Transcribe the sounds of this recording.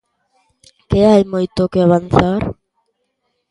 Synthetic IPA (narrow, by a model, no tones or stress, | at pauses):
keajmojt̪okeaβanθaɾ